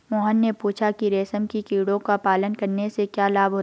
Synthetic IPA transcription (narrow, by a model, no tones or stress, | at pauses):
mɔːɦənːepuːt͡ʃʰakiɾɛːsəmkikiːɽõkapaːlənkɐɾnesekjaːlaːbʱɦoːt̪